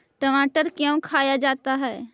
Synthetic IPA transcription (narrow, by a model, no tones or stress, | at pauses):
ʈəmaːʈəɾkjə̃w̃kʰaːjad͡ʒaːt̪aɦɛː